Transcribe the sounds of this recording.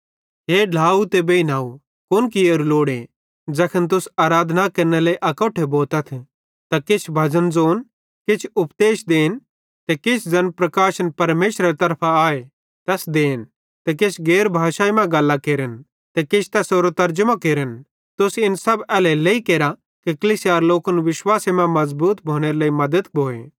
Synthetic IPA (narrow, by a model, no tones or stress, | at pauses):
ɦeːɖʱaːut̪eːbeinaːu | kʊnk̬ioɾuloːɽe | d͡zɐkʰənt̪̬ʊsaːɾaːd̪ʱnakɐɾneleiʔɐkoːʈʰeboːt̪ɐt̪ʰ | t̪akɪt͡ʃʰbʱɐzənd͡zoːn | kɪt͡ʃʰʊpd̪eːʃd̪eːn | t̪ɛkɪt͡ʃʰd͡zɐnpɾɐkaːʃənpɐɾmeːʃɾɐɾet̪ɐɾpʰaaːe | t̪ɛːsd̪eːn | t̪ɛkɪt͡ʃʰɡeːɾbʱaːʃaːimɛ̃ɡɐlːakeːɾən | t̪ɛkɪt͡ʃʰt̪ɛsoːɾot̪ɐɾd͡ʒəmãkeːɾən | t̪ʊsɪnsɐbɛːleleikeːɾa | kikɐliːsijaːɾloːkənʋɪʃwaːsemɛ̃mɐzbuːt̪bʱoːɽ̃eɾeleimɐd̪əd̪bʱoːḛ